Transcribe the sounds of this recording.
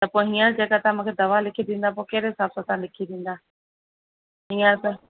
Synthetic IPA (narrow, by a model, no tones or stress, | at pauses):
t̪ɐpõːɦiːə̃d͡ʑeːkat̪aãmũːkʰed̪ɐʋalɪkʰid̪ĩːnd̪ap̬oːkeːɾɦɪsaːbsat̪aãlɪkʰid̪ĩːn̆d̪aː | ɦiːə̃s